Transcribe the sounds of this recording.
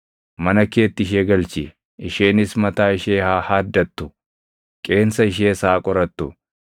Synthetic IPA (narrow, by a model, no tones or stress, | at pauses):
mɐnɐke̞ːt̪ːɪɪʃ̬eːɡɐlt͡ʃɪ̰ | ɪʃe̞ːnɪsmɐt̪aːɪʃeːhaːhaːd̪ːɐt̪ːʊ | kʼe̞ːnsɐɪʃ̬eːsaːkʼɔɾɐt̪ːʊ